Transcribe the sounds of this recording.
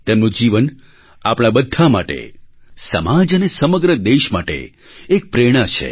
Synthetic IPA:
t̪emnũd͡ʒiʋən | apɽ̃abəd̪ʱːama̰ʈḛsə̰mad͡ʒənesəməɡɾəd̪eʃmaʈḛ | ek̚pɾeɽ̃at͡ʃʰḛ

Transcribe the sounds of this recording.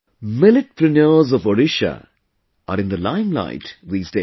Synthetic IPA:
mɪlɪʈ̚pʰɾənjəːzɔvɔɾɪʃə̰ | ʔəɾɪ̃nd̪əlãɪ̃mla̰ɪtðiːzdeː

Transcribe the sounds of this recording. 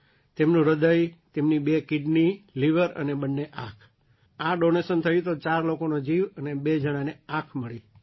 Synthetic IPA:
t̪emnũɾəd̪əjt̪emnibekɪɖniliʋəɾə̰nebənːeʔãkʰ | aɖonesənt̪ʰəjĩt̪ot͡ʃaɾlokonod͡ʒiʋənebed͡ʒəɽ̃aneãkʰməɭi

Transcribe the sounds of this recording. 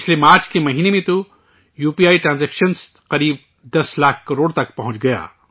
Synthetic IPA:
pɪt͡ʃʰlemaːɾt͡ʃkemɐɦiːnemẽt̪o | juːpiːjaːiʈɾãːnzɛːkʃəns | qɐɾiːb̚ | d̪ɐslaːkʰkɐɾoːɽt̪ɐkpɐɦʊ̃t͡ʃɡɐja̰ː

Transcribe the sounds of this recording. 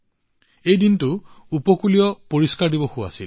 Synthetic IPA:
ejdintuupɔkulijɔpoɹiskaɹdibɔhua̰sil

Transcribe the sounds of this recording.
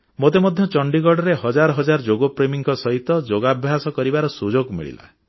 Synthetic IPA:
mot̪emɔd̪ʱjɔt͡ʃɔɳɖiɡɔɽɔɾeɦɔd͡ʒaɾɔɦɔd͡ʒaɾɔd͡ʒoɡopɾemiŋkɔsɔɦit̪ɔd͡ʒoɡabʱjaɦsɔkɔɾibaɾɔsud͡ʒoɡmḭɭḭla̰

